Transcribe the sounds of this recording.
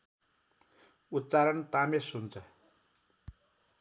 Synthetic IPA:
ut̪ːt͡saɾʌnt̪amesunt͡sʰʌ

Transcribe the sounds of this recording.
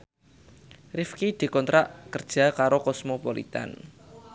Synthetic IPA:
rɪfkid̪̥i̤kɔnt̪ɾaʔkərd̥ʒ̥a̤kaɾokɔsmopɔlḭt̪a̰n

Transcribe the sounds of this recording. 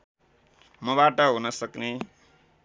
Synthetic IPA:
mʌβaʈʌɦunʌsʌkne

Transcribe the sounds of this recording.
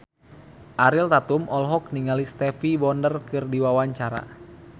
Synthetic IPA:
ʔaɾilt̪at̪umɔlɦɔk̚niŋalist̪ɛfibɔndərkɨrdiwawaɲt͡ʃaɾa̰

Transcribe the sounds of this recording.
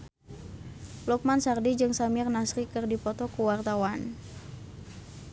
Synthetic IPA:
luk̚mansardid͡ʒɨŋsamirnasɾikɨrdipɔt̪ɔkuwart̪awan

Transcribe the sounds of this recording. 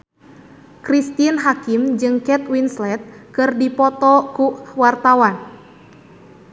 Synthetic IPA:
kɾist̪inɦakimd͡ʒɨŋkɛt̪winslɛt̪̚kɨrdipɔt̪ɔkuwart̪awan

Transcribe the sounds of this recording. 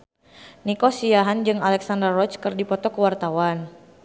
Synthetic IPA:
nikɔsiaɦand͡ʒɨŋalɛksandərɔt͡ʃkɨrdipɔt̪ɔkəwart̪awan

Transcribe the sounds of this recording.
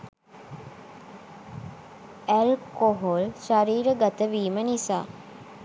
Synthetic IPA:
ælkoɦolʃaɾiːɾəɡat̪əʋiːmənisa̰ː

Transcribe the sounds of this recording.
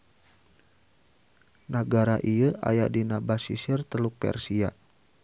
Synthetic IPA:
nəɡaɾaʔijəa̰jaʔdinabasḭsirt̪əluk̚pɛ̰rsia

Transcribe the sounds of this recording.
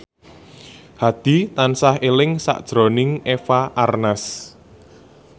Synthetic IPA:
had̪̥i̤t̪ansahelɪŋsa̰ʔd̥ʒ̥ɾo̤nɪŋefaʔarnas

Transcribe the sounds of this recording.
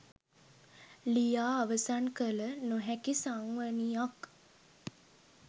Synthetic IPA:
lijaːʋəsankələnoɦɛkisaŋʋənijak

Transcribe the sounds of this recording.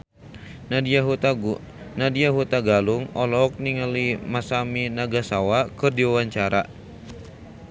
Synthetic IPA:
ɦ | nadiaɦut̪aɡaluŋɔlɔk̚niŋəlimasaminaɡasawakɨrdiwawaɲt͡ʃaɾa

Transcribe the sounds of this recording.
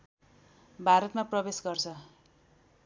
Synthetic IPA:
bʱaɾʌt̪maprʌbesɡʌrt͡sʰʌ

